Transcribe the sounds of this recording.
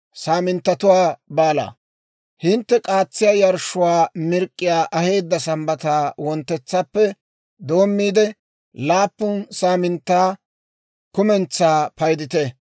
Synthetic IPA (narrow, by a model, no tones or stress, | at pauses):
saːmɪnt̪ːɐt̪ʊwaːbaːla̰ː | hɪnt̪ːɛkʼaːt͡sːɪjaːjɐɾʃʊwaːmɪɾkʼːɪjaːʔɐhe̞ːd̪ːɐsɐmbɐt̪aːwɔnt̪ːɛt͡sːɐpːɛ | d̪o̞ːmːiːd̪ɛ | laːpːʊnsaːmɪnt̪ːaː | kʊmɛnt͡sːaːpɐjd̪ɪt̪ɛ